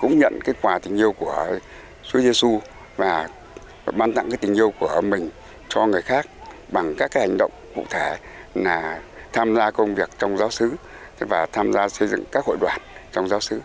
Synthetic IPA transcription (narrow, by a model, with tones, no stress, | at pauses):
kʊ̰˧˥ŋ͡mɲə̰˧˨nkaː˨˦jkwaː˨˩t̪ï˨˩ŋ̟ʔi˧əwku˧˩ə | t͡ɕu˨˦ze˧su˧ | vaː˨˩˨ | ɓaː˧nt̪a̰˧˨ŋkaː˨˦jt̪ï˨˩ŋ̟ʔi˧əwku˧˩əmï˨˩ŋ̟ | t͡ɕɔ˧ŋɨ˨˩əjxaː˦˥k̚ɓa˨˩ŋkaː˦˥kaː˨˦˥ha˨˩ŋ̟ɗə̰˧˨wŋ͡mkṵ˧˨t̪ʰe˧˩ | naː˨˩t̪ʰaː˧mzaː˧kə˧wŋ͡mvi˨˩ək̚t͡ɕɔ˧wŋ͡mzaː˨˦wsɨ˨˦ | vaː˨˩t̪ʰaː˧mzaː˧sə˧jzɨ̰˧˨ŋkaː˦˥k̚ho̰˧˨jɗwaː˨˩nt͡ɕɔ˧wŋ͡mzaː˨˦wsɨ˨˦